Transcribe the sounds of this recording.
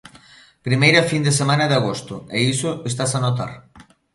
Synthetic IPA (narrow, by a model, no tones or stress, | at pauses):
pɾimejɾafind̪esemãnɐðaɣ̞ost̪ʊeisoest̪asanot̪̬a̰ɾ